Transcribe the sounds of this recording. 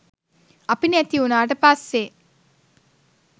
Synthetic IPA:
apinæt̪iunaːʈ̬əpasːe

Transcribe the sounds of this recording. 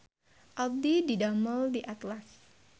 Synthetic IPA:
ʔɔd̪ididaməldiʔat̪las

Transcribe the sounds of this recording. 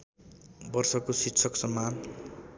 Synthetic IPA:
bʌrsʌkositsʰʌksʌmːan

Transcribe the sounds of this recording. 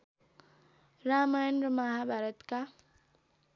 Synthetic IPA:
ramajʌnrʌmʌɦabʱaɾʌt̪ka

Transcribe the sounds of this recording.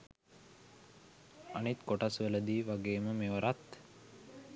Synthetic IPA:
anit̪koʈasʋeləd̪iːʋaɡeːməmeʋəɾat̪

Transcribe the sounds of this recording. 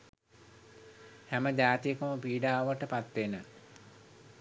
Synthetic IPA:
hæməd͡ʑaːt̪ijəkəməpiːɖaːʋəʈəpat̪ʋenə

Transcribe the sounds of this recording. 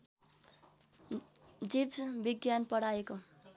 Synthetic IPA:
d͡ʒibbiɡjanpʌɽ̤aeko

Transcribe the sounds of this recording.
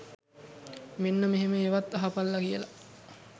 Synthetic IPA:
menːəmeɦeməeʋat̪ːɐɦapalːɐkijəla

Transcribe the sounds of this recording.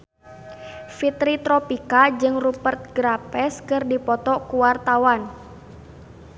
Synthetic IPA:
fit̪ɾit̪ɾɔpikad͡ʒɨŋrupərt̪̚ɡɾapɛskɨrdipɔt̪ɔkuwart̪awan

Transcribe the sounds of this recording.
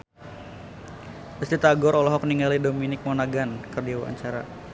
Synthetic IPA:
bəst̪it̪aɡɔɾɔlɔɦɔkniŋɡalidominɪk̚mɔnaɡankərdiawa̰a̰ɲt͡ʃaɾa̰

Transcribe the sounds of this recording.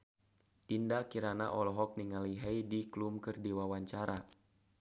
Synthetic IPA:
ʔ̪indakiɾana̰ʔɔlɔɦɔk̚niŋaliɦɛjdiklumkərdiwawaɲt͡ʃaɾa

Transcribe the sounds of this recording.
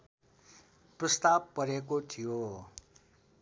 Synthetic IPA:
prʌst̪ab̚pʌɾekot̪ʰijo

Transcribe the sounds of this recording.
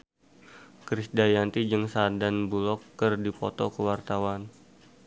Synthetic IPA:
kɾisdajant̪id͡ʒɨŋsadanbulɔkːərdipɔt̪ɔkəwart̪awan

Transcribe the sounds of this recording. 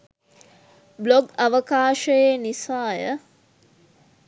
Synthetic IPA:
bloɡaʋəkaːʃəjenisaːjə

